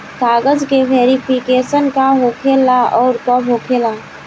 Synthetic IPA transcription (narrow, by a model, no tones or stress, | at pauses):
t̪aːɡəd͡ʒkeʋeːɾɪpʰɪkeːsənkaɦoːkʰeːlaɔːɾt̪ɔbʱɦoːkʰeːla